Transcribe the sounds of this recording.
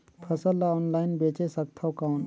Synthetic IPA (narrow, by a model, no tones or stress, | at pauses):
pʰəsəlːaɔːnlajnbet͡ʃesəkt̪ʰawkawn